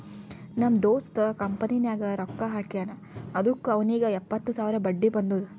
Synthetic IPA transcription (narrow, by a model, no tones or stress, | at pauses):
nɐmd̪oːst̪ɐkɐmpɐninjaːɡɐɾɔkːɐɦaːkijaːnɐː | d̪ukːuɐʋɐniːɡɐɛpːɐt̪ːusaːʋɾɐbɐɖːibɐnd̪ud̪u